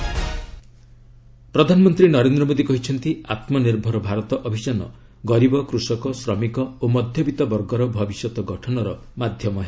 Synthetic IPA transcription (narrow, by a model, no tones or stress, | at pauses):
pɾɔd̪ʱanɔmɔnt̪ɾinɔɾend̪ɾɔmod̪ikɔɦit͡ʃʰɔnt̪iat̪mɔniɾbʱɔɾɔbʱaɾɔt̪ɔʔɔbʱisanɔ̰ | ɡɔɾibɔkɾusɔkɔsɾɔmikɔomɔd̪ʱjɔbit̪ɔbɔɾɡɔɾɔbʱɔbisjɔt̪ɔɡɔʈʰɔnɔɾɔ | mad̪ʱjɔmɔɦe